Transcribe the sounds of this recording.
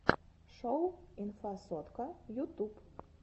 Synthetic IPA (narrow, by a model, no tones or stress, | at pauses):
ʂowinfasɔt̪kɐjut̪up